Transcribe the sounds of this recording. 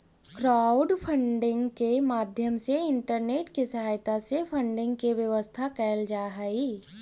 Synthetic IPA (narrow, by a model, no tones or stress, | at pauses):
kɾaːʊɖpʰə̃ɳɖɪ̃ŋɡkemaːd̪ʱjəmseɪɳʈəɾneːʈkisɐɦaːjt̪asepʰə̃ɳɖɪ̃ŋɡ̚keʋjəʋəst̪ʰakɛːld͡ʒaːɦaiː